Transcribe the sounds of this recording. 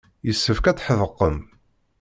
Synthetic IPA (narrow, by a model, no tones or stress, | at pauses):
jəsːəfkæt͡sːħəðəqːəm